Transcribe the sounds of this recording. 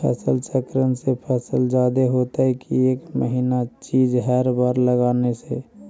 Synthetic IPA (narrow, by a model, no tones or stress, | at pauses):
pʰɛ̰ːsəlsɛkɾənsepʰɛːsəld͡ʒaːd̪eɦot̪aɦɛkieːkməɦinat͡ʃid͡ʒɦɛɾbaɾləɡaːnese